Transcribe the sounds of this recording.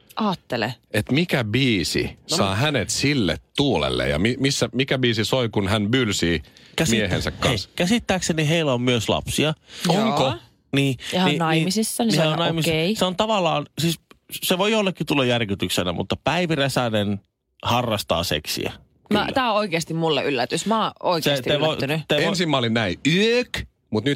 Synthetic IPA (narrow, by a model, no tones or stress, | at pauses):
ʔɑːt̪ːelḛet̪mikæbiːsḭsɑːhænet̪silːḛt̪tuːlḛlːḛjɑ̰mimisːæmikæbiːsisoikunhænbylsiːkæsmmiiehḛnsæ̰kkɑskæsit̪ːæːkseniɦeilːæommyøslɑ̰psiɑoŋko | niːninɑnimisisːɑniseonnɑimisiseont̪ɑʋɑlːɑːnsiːsseʋoiolːekːit̪ulːɑjærkyt̪yksenæ̰mṵt̪ːɑpæiʋiresænen | hɑrːɑst̪ɑ̰ːsḛksḭæ̰ | mɑtt̪æːõoikest̪immulːḛʔylːæt̪ysmɑoisest̪eʋoinyt̪eensimmæolinnæiyøk | mut̪ny